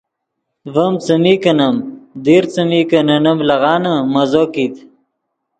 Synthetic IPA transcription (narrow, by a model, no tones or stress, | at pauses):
vəmt͡səmikənəmd̪eɾt͡səmikənɐnɐmlɐɣɑːnəmɐzokit̪